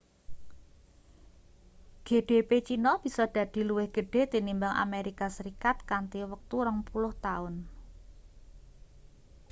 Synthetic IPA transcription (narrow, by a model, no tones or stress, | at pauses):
ɡ̥e̤ɖ̥epet͡ʃinɔb̥i̤sɔd̪̥ä̤d̪̥i̤luwɪhɡ̥ə̤ɖ̥e̤t̪inimbaŋʔa̰meɾikasəɾikat̪̚kant̪iwək̚t̪uɾəŋpulʊht̪aʊn